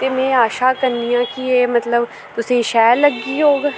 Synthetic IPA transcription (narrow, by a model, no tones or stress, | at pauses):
t̪eːmɛ̃ːaːʃaːkəɾniːjãːkɪeːmət̪ləb | t̪ʊsĩːʃɛːləɡːiːɦoːɡ